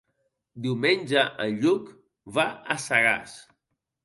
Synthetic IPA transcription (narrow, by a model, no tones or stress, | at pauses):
d̪iwmenʲʒəʔəʎuk | βaəsaɣa̰s